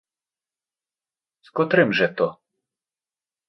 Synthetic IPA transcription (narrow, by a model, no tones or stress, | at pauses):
skɔt̪ɾɪmʒɛt̪ɔ